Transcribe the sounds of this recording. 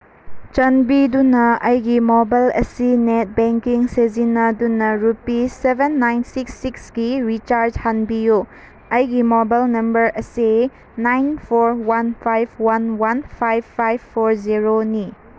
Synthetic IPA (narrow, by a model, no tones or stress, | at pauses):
t͡ʃɐnbidunɐɐjɡimobajlɐsinet̚beŋkiŋsezinɐdunɐɾupisebenːajnsiksːiksɡiɾit͡ʃaɾd͡ʒhanbijo | ɐjɡimobajlnɐmbɐɾɐse | najnpʰoɾwanpʰajbʰwanwanpʰajbʰːajbpʰːoɾziɾoni